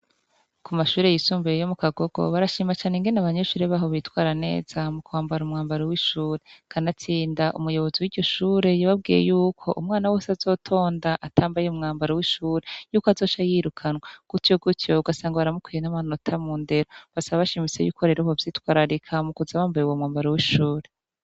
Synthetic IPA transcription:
kumaʃuːɾe̞jisuːmbujejo̞mukaɡo̞ɡo̞̰βaɾaʃiːmat͡ʃaːneŋɡe̞naβaɲe̞ʃuːɾe̞βaːɦo̞βitwaːɾane̞̰ːz̥amukuwaːmbaɾumŋaːmbaɾowiʃuːɾe̞kʰanat͡siːndaʔumujo̞βo̞ziwiɟo̞ʃuːɾe̞jaβab̚ɡiːjḛjuːkʰo̞̰ʔumŋaːnawo̞ːsazo̞ːtʰo̞ːndaʔatʰaːmbajeumŋaːmbaɾowiʃuːɾe̞juːkoazo̞ːʃajiːɾukʰanwaɡ̥ucoɡuto̞uɡasaːŋɡaβaɾamukwijenamano̞tʰamuːnde̞ɾo̞βasaβaβaʃimit͡se̞juːkʰoɾeɾoβovjiːtwaːɾaɾikʰamukuzaβaːmbajeuwomŋaːmbaɾowiʃuːɾe

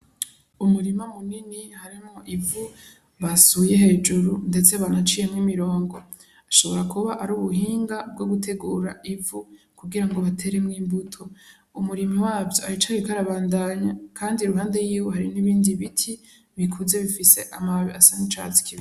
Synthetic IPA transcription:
umuɾimamuninihaɾimŋo̞ʔivu | βasuje̞he̞ːd͡ʒuɾunde̞t͡se̞βanat͡ʃije̞mŋimiɾo̞ːŋɡo̞ | aʃo̞βo̞ɾakuβaʔaɾuːβuɦiːŋɡab̚ɡo̞ɡutʰe̞ɡuːɾaivu | kuɡiɾaŋɡo̞βatʰe̞ɾe̞mŋiːmbutʰo̞ | umuɾimawaːvjoait͡ʃaβikaɾaβaːndaɲakʰaːndiɾuɦaːnde̞jiːwoɦaɾiniβiːndiβitʰi | βikʰuze̞βifise̞ʔamaβiasanit͡ʃa̰t͡si̥kiβi

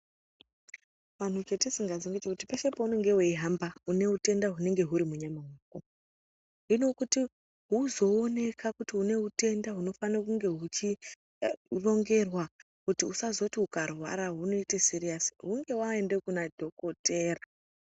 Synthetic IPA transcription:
ʋan̤ut͡ʃetisiŋɡazeŋɡet͡ʃekutipaʃepaune̞ŋɡe̞weiɦambaune̞ute̞ndaɦune̞ŋɡe̞ɦuɾimuɲamaɦwaːko | ino̞kuti | ɦuzo̞ːne̞kʰakutiune̞ute̞ndaɦuno̞fanakuŋɡe̞ɦut͡ʃi | ro̞ŋɡe̞rwa | kutiusazo̞tiukarwa̰ɾaɦuno̞itesirijasi̥ɦuŋɡe̞waendekunadʱo̞ko̞te̞ːra

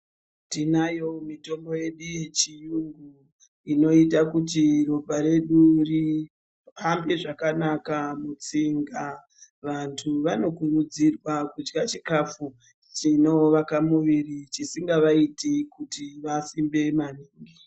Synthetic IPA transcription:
tinajo̞mito̞mbo̞je̞ɗuje̞t͡ʃijuŋɡu | ino̞itakutiro̞bʱaɾe̞ɗuri | pambeʐakanakamut͡siŋɡa | ʋantʰuʋano̞kurud͡zirwakud͡ʒɡat͡ʃikafu | t͡ʃino̞ʋakamuʋirit͡ʃisiŋɡaʋaitekutiʋasimbe̞maniːŋɡi

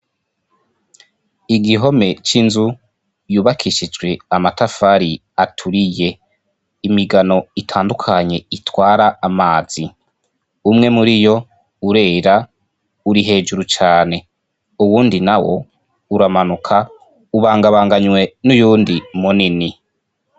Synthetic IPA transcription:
iɡiɦo̞me̞t͡ʃinzu | juːβakʰiʃid͡ʒɡwe̞amatafaɾi | atʰuɾije̞ | imiɡano̞itʰaːndukʰaɲe̞itwaːɾaːmaːz̥i | umŋe̞muɾijo̞ | uɾe̞ːɾa | uɾiɦe̞ːd͡ʒuɾut͡ʃaːne̞ | uwuːndinawo̞̰ | uɾamanukʰa | uβaːŋɡaβaːŋɡaɲwe̞nujuːndimunini

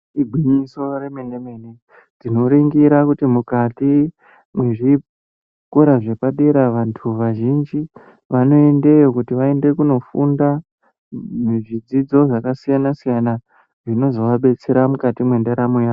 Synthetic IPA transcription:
iɡʱwiɲisoremendeme̞ne | tino̞ɾiŋɡiɾakutimukati | mwe̞ʐi | koɾaʐe̞paɗe̞ɾaʋantʰuʋaʒind͡ʒi | ʋano̞e̞nde̞jokutiʋae̞nde̞kuno̞funda | eʐid͡zid͡zo̞ʐakasijanasijana | ʐino̞zo̞ʋaɓe̞t͡se̞ɾamukatimwe̞ndeɾamojaːo

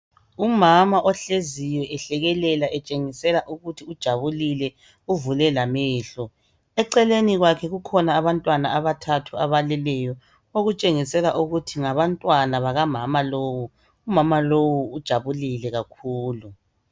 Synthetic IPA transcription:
umamaʔɔɬezijɛʔɛɬɛɣɛlɛlaʔɛt͡ʃʼeŋisɛlaʔuɣutʰiud̥ʒ̥ʱaβulilɛ | uvulɛlamɛːɬɔ | ɛǀɛleniɣwakʰɛɣukʰɔnaːβantʼwanaaβatʰatʰuaβalɛlɛjɔ | oɣut͡ʃʼeŋisɛlaʔuɣutʰiŋaβantʼwanaβaɣamamaloːwu | umamalowuud̥ʒ̥ʱaβulilɛɣakʰuːlu

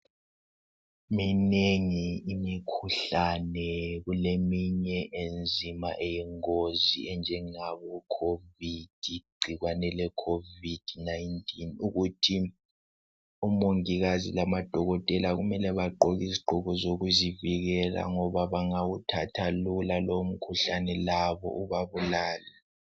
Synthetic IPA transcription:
mineŋiːmikʰuɬanɛɣulemiɲɛʔend͡zʱimaʔejɛŋoziɛnd͡ʒʱɛŋaβɔkʰovid̥ʱiɡ͡ǀʱiɣwanɛlɛkʰovid̥najntʰʼinuɣutʰi | umoŋiɣazḭlamad̥ʱɔɣɔtʼɛlaɣumɛlɛβaǃɔɣiziǃuɣɔzoɣuziviɣɛla̰ŋɔβaβaŋawutʰatʰalulalom̩kʰuɬanɛlaβɔ̰ʔuβaβulaːlɛ

